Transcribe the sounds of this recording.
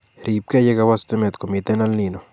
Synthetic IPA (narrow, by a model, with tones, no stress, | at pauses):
ɾip̚kɛ˦je˦kawast̪ɪ˦mɛ˨t̪ko˨mi˨t̪ɛ˦na˦lnino˨